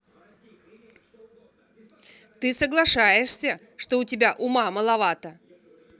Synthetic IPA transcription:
t̪ɨsəɡlˠɐʂajɪʂsʲə | ʂt̪oʊtʲɪbʲaʔʊmaməlˠɐvat̪ə

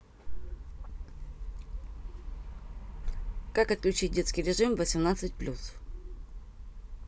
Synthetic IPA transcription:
kakət̪̚klʲʉt͡ɕit̚ʲdʲeskʲɪjɾʲɪʐɨmvəsʲɪmnat̪sɨt̚ʲplʲʔus

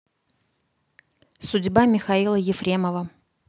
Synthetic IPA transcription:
sʊdʲbamʲɪxɐilˠəjɪfɾʲe̞məvə

